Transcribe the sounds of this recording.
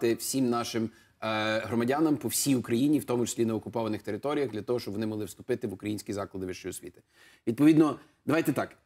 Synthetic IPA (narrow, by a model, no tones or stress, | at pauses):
t̪ɪwsʲimnɑʃɪm | ɦɾɔmɐdʲɑnɐmpɔwsʲijʊkɾɐjinʲiwt̪ɔmʊt͡ʃɪ̥sʲlʲineɔkʊpɔʋɐnɪxt̪eɾɪt̪ɔɾʲijɐɣd̪lʲɐt̪ɔɦɔʃt͡ʃɔbʋɔnɪmɐɦlˠɪwst̪ʊpɪt̪ɪʋʊkɾɐjinʲsʲkʲizɑklˠɐd̪ɪʋɪʃt͡ʃɔjʊsʲʋʲḭt̪ɪ̥ | ʋʲid̪̚pɔid̪nɔ | d̪ɐʋɑjt̪ɛt̪ɑk